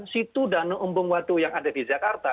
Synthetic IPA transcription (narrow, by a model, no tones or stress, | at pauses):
nsit̪udanoʔəmbʊŋwat̪ujaŋadadid͡ʒakart̪a